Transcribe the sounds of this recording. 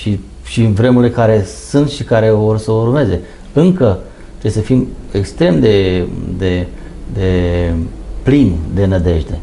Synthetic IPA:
ʃi | ʃinvɾemuɾle̞kaɾe̞sɨnt̪ʃikaɾe̞vo̞rsəurme̞ze̞ | ɨŋkə | t̪ɾebesəfimekst̪ɾe̞md̪e̞d̪e̞ | d̪e̞ | plind̪e̞nəd̪e̞ʃd̪e̞

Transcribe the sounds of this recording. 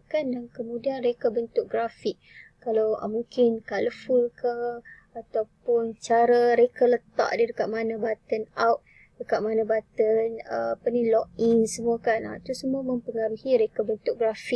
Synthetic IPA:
kandaŋkəmũdianrɾekabənt̪ʊk̚ɡɾafik̚kːalawə̰muŋkɪnkaləfulka | at̪awpʊnt͡ʃaɾaɾekalət̪a̰ʔdidəkaʔ̪̚manabat̪ənawʔ̚ | dəkaʔ̪̚manabat̪ənəapanilɔʔiŋsəmuakana̰t̪usəmuamə̃mpəŋaɾuhiɾekabənt̪ʊk̚ɡɾafik

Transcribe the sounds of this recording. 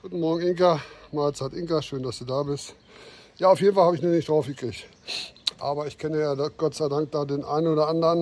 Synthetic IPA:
ɡ̥uːtn̩mɔɐɡŋ̩ɪŋkamaːlt͡saːtʔɪŋkaʃøːndasd̥uːdaːbɪst | jaːaʊfjeːdn̩falhabəɪçmiːɐnɪçd̥ʁaʊfɡ̥əkʁ̥ɪçt | ʔaːbɐɪçkʰɛnəjaːdɡ̥ɔtt͡saɪdaŋk̚d̥aːdeːnʔa̰ɪnoːɾɐandəʁən

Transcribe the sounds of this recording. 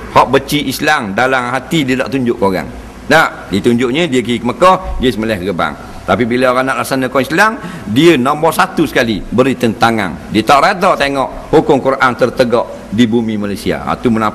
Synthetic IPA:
hɔʔbət͡ʃiʔislaŋdalamɦat̪idiəda̰ʔt̪uɲd͡ʒʊʔkoɣa̰ŋ | naʔ | dit̪uɲd͡ʒʊʔɲə̃diəkiikəməkɔhdiəsəməlɛhəɡəba̰ŋ | t̪apibilaɣanaʔlaʔsanəkɔislaŋ | diənɔmbɔsat̪usə̥kalibəɾit̪ənt̪aŋa̰ndiət̪aʔɾad̪ɔt̪eŋɔʔ | hukʊŋkuɾaʔant̪ərt̪əɡɔʔ | dibumimalajsia̰a̰t̪uməna

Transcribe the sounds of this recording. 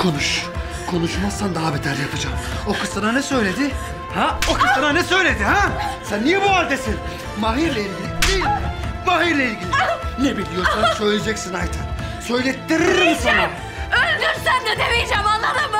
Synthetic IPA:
kʰo̞nuʃ | kʰo̞nuʃmasand̪aɦabɛt̪ʰæɾjapʰɯd͡ʒamo̞kʰɯsɯnanɛsø̞jlʲe̞d̪ɪ | haokʰɯsɯnanɛsø̞jlʲed̪ihasanːijɛbualʲd̪esin | maɦiɾlʲˠailʲɟilʲid̪ilʲmaɦiɾlʲˠailʲɡʲilʲiinebilʲːijoɾsansø̞jlʲed͡ʒɛcsinajt̪ʰansø̞jlʲet̪ʰːiɾinsana | ølʲd̪øɾsænd̪et̪ʰebijd͡ʒɛmallːˠat̪am

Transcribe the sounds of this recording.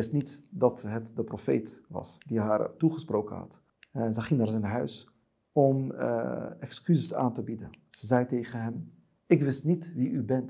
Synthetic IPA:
ɪstnitdɑtɦətdəprofḛjtʋɑ̰sdiɦaːɹtuχəsprowkə̰nɦɑ̰t | zɛχɪŋnaːɹzɛnɦœɥs | ɔm̰ | ɛkskyzəsa̰ːntəbidənz̥əzɛjtejχənɦɛm | ɪkʋɪstnitʋiʔybɛnt

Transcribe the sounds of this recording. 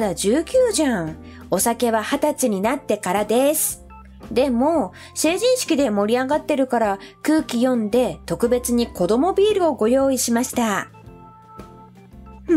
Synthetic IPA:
d̪ad͡ʑɨːkʲɨːʑãŋ | o̞sake̞βahat̪at͡siɲ̟inat̪ːe̞kaɾad̪e̞sɨ̥ | d̪e̞mo̞ | se̞ːʑĩɰ̃ɕi̥kʲid̪e̞mo̞ɾʲiaɡat̪ːe̞ɾɯ̟kaɾakɯːkʲijõ̞nd̪e̞t̪o̞kɯ̟be̞t͡sɨɲ̟iko̞d̪o̞mo̞bʲiːɾɯ̟o̞ɡo̞jo̞ːiɕimaɕi̥t̪a

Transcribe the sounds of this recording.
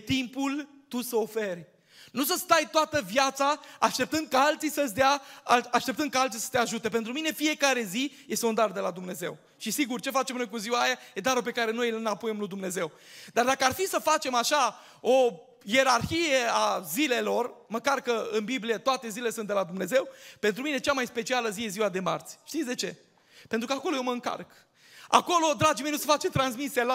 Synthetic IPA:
t̪impul | t̪usəo̞ferʲ | nus̬əst̪ajt̪oat̪əvjat̪saaʃt̪e̞p̚t̪ɨnd̪̚kaalt̪sisəsd̪eaaʃt̪e̞p̚t̪ɨnd̪kaalt̪sisə̥t̪e̞aʒut̪e̞p̬ent̪ɾumine̞fije̞kaɾe̞zije̞st̪und̪ard̪e̞lad̪umne̞ze̞̰w | ʃisiɡurt͡ʃe̞fat͡ʃemno̞jk̬uziwajajed̪aɾope̞kaɾe̞no̞jelnapojemlud̪umne̞ze̞w | d̪ard̪akəarfisəfat͡ʃe̞maʃa | o | je̞ɾarçijeazile̞lo̞rməkarkəɨnbiblijet̪oat̪e̞zilelesɨnt̪d̪elad̪umne̞ze̞wpe̞nt̪ɾumine̞t͡ʃamajspe̞t͡ʃialəzijeziwad̪e̞ma̰rt̪sʲʃt̪itsʲd̪e̞t͡ʃe̞̰ | pe̞nt̪ɾukəakolojeməɨŋka̰rk | a̰ko̞lo̞d̪ɾad͡ʒimejnusəfat͡ʃemt̪ɾans̬misiala

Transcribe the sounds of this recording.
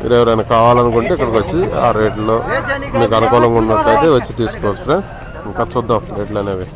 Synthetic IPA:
ḭːɾeʋɐɾɐjnɐkaːʋaːlɐnukuɳʈeːikːɐɽikʋɐt͡ʃːia̰ːɾeːʈloːmiːkɐnɐkɔːlɐŋkuɳːɐʈlɐjt̪e̞ːʋɐt͡ʃːit̪iːsu̥koːsɾe | iŋkɐsud̪ːɐmɾeːʈloːneːʋi

